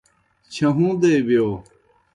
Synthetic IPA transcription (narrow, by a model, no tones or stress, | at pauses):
t͡ɕʰɐɦũːd̪eːbijoː